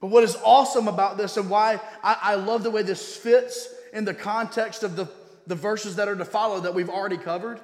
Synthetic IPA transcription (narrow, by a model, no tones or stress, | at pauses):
b̥ʌt̚wʌɾɨzɔsə̃məbaʊt̪̚ðɪsɨ̃nwaɪʔaɪʔaɪlʌvðəweɪðɪsfɪtsɨ̃nðɨkʰɑ̃ntʰɛkstʌvðə | ðɨvɜ˞sɨzðɨɾə˞ɾɨfɑlˠoʊðət̚wivl̩ˠɹɛɾikʰʌvə˞d̥